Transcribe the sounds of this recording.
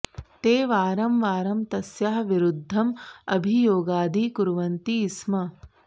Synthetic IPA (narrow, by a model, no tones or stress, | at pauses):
t̪eːʋaːɾɐmʋaːɾɐmt̪ɐsjaɦɐʋiɾud̪ʱːɐmɐbʱijoːɡaːd̪ʱikuɾʋɐnt̪ismɐ